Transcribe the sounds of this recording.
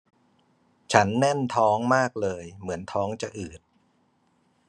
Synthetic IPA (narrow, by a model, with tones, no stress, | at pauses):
t͡ɕʰa˦˥nːɛ˥˩nt̪ʰɔː˦˥ŋmaː˥˩k̚lɤː˧jmɯ˩˦ənt̪ʰɔː˦˥ŋt͡ɕa˨˩ʔɯː˨˩t̪̚